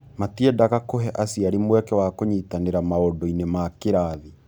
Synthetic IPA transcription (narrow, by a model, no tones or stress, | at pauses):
matiɛdaɣakoɦɛʔasjaɾimwɛkɛwakoɲitaneɾamaodɔinemakeɾaði